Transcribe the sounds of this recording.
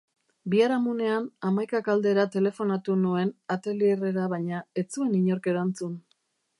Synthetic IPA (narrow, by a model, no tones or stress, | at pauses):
biaɾamune̞anamajkakald̪e̞ɾat̪e̞le̞fo̞nat̪unue̞nat̪eliereɾaβaɲae̞t͡sue̞niɲo̞ɾke̞ɾant͡sun